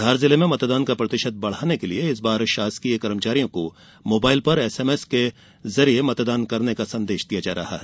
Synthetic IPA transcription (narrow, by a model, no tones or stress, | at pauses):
d̪ʱaːɾzɪlemẽmɐt̪d̪aːnkapɾɐt̪ɪʃət̪̚bɐɽ̤aːnekelieɪsbaːɾʃaːskiekɐɾəmt͡ʃaːɾijõko | moːbaːɪlpɐɾɛseːmɛːske | zɐɾiemɐt̪d̪aːnkɐɾnekasɐ̃nd̪eːʃd̪ijad͡ʒa̰ːɾɐ̰ɦa̰ɦɛ